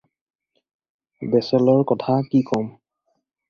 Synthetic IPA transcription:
dɛsɛlɔɹkɔtʰakikɔm

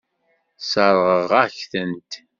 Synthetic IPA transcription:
səɾˤʁəʁæçθənt̪

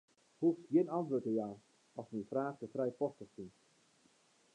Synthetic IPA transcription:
huftχiənɑntʋøːtəjaː | ɑsmifraːχtəfrɛjpɔstəχsin

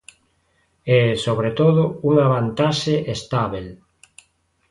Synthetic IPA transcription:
ɛsoβ̞ɾet̪oðouŋaβant̪aʃeʔest̪aβel

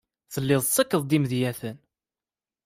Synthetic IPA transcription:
θəlːɪðˤsˤːəkːəðˤd̪imðjæθən

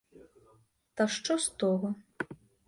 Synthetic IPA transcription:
t̪ɐʂt͡ʂɔst̪ɔɣɐ

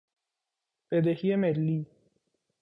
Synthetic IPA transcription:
b̥ed̪ehiemelːiː

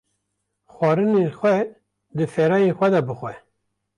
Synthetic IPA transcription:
xʷɑːɾɨnexʷɛ | d̪ɨfɛɾɑːjexʷɛd̪ɑbɨxʷɛ

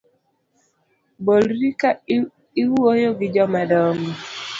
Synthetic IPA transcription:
bolɾika | iwuojoɡid͡ʒɔmadɔŋɔ

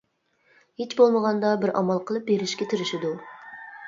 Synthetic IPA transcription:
het͡ʃbolˠməʁɑnd̪ɑbɪɾɑ̰mɑlˠqʰəlˠɨp̚beɾɪʃkʲɛt̪ʰiɾɪʃɪd̪u

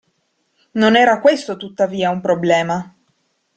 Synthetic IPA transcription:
nonɛːɾakwest̪ot̪ut̪ːaviːaumpɾoblɛːma

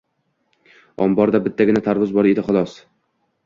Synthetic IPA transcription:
ɒ̰mbɒɾd̪abɪt̪ʰːaɡʲɪnat̪ʰaɾvʊzbɒɾed̪ɪχʊlˠɒs

